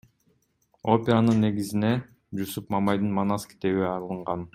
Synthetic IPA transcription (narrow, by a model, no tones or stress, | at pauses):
o̞pʲeɾanɯnːe̞ɡizine̞ | d͡ʒusupmamajd̪ɯnmanaskʲi̥t̪eβiɑlˠɯɴʁɑn